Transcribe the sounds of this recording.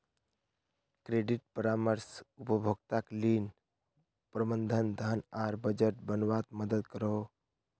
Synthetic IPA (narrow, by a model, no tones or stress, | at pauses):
kɾeɖiʈ̚pəɾaməɾsupəbʱoɡt̪aklin | pɾəbənd̪ʱənd̪ʱanaɾbəd͡ʒəʈ̚bənʋat̪məd̪əd̪kəɾəw